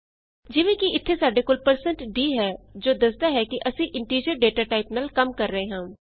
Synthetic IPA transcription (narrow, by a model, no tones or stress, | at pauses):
d͡ʒɪʋẽkiɪt̪ʰːesaːɖekoːlpəɾsə̃ɳʈɖiːɦɛːd͡ʒoːd̪ɐsd̪aɦɛkiʔɐsĩʔɪ̃ɳʈiːɾid͡ʒəɾɖeːʈaːʈaːɪpnəlkɐmkɐɾːəɦẽɦɐ̃ː